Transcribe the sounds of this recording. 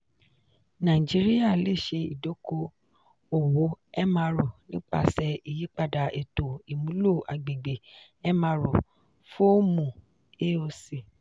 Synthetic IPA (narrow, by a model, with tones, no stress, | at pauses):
nã˨ĩ˨d͡ʒi˨˦ɾi˦ja˦˨le˦˨ʃe˧i˨do˨˦ko˧ | o˨wo˨˦ɛ˦mã˧ɾo˨nĩ˦k͡pa̰˧sɛ˧i˨ji˨˦k͡pa˦˨da˨e˨to˨i˨mũ˨˦lo˦˨a˨ɡ͡be˨ɡ͡be˨ | ɛ˦mã˧ɾo˨ | fo˦o˦mũ˨ | e˦o˧si˨